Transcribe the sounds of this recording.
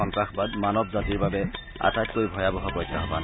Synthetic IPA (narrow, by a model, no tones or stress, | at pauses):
ɔŋtɹaxbadmanɔbzatiɹbabɛ | a̰tajt̚koɹibʱɔjabɔɦɔbɔjdʰːaɦɔba̰n